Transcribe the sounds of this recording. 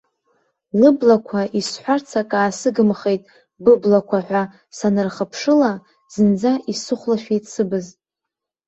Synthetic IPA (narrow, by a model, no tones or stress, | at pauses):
lɨblakʷʰaʔisħʷart͡sʰakʼaːsɨɡɨmχe̞jtʼ | bɨblakʷʰaħʷᶣa | sanɨrχəpʰʂɨla | z̥ɨnd͡zaʔisɨχʷlaʃᶣijtʼsɨbɨzʼ